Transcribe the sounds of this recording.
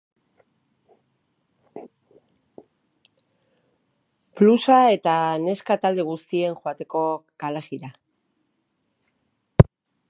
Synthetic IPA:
plusae̞t̪ane̞skat̪ald̪e̞ɣ̞ust̪ie̞ŋʝoat̪e̞ko̞kaleɣiɾa

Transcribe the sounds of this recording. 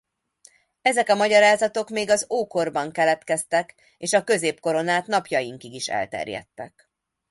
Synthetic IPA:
ɛzɛkɒmɒɟɒɾaːzɒt̪o̞kmeːɡɒzoːko̞rbɒŋkɛlɛt̪kɛst̪ɛk | eːʃɒkø̞zeːpko̞ɾo̞naːt̪nɒpjɒjiŋkiɡiʃɛ̰lt̪ɛ̰rjɛ̰t̪ːɛ̰k

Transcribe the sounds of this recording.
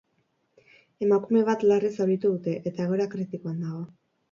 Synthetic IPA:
e̞makume̞β̞at̪larisoɾit̪uðut̪e̞ʔet̪aeɣ̞o̞ɾakɾit̪iko̞and̪aɣo̞

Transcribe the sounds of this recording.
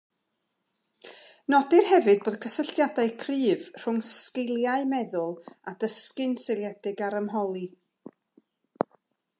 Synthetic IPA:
nɔdɪrhɛvɨd̚boːðkʰəsəɬtjadaɨkʰrɨːvr̥ʊŋskɪlˠjaɨmɛðʊlˠadəskɨnselˠjɛdɪɡaɾəmɦɔlˠi

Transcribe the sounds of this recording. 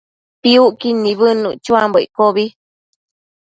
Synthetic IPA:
piuʔkinĩβɨnṵ̃t͡ʃuamboikoβi

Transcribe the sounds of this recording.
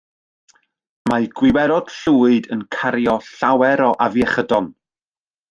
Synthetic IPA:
majɡ̥wɪwɛɾɔd̥ɬuːɨdənkʰaɾjɔɬawɛɾɔʔavjɛχədɔn

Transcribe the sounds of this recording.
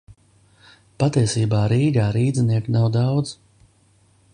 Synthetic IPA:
pat̪iɛsiːbaːɾiːɡaːɾiːd̪zniɛknawd̪awd̪z

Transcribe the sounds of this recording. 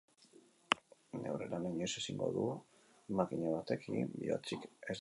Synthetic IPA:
ne̞̰wɾelanaɲese̞siŋɡo̞̰ðu | makiɲaβat̪e̞kʰḭbḭot͡sikes

